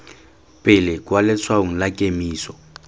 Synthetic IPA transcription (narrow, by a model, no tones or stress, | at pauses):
pʼɪlɪkʼwalɪt͡sʰwaʊŋ̩lakʼemiːsɔ̥